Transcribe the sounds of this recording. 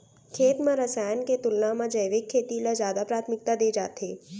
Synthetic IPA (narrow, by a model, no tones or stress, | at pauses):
kʰeːt̪mãɾɐsaːjənket̪ʊlnamãd͡ʒɐjʋɪkʰːeːt̪ilazjaːd̪apɾaːt̪ʰmɪk̚t̪ad̪eːd͡ʒa̰ːt̪eː